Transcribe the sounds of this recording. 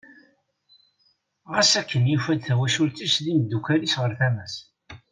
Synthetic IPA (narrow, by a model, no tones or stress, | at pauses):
ʁæsækːənjufæd̪θæwæʃult̪isðiməd̪ːukælisʁəɾθæmæs